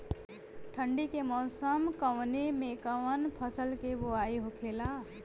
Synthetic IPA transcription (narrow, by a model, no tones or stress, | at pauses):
ʈʰəɳɖikemɔːsəmkəwnemẽkəwənpʰəsəlkeboaːiɦokʰeːlaː